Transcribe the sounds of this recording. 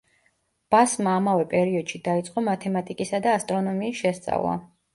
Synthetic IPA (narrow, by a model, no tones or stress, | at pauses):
b̥asmaːmavɛpʼɛɾiɔd̪̥ʃid̪ait̪sʼqʼɔmat̪ʰɛmat̪ʼikʼisad̪aːst̪ʼɾɔnɔmiːsʃɛst̪sʼa̰vlˠa̰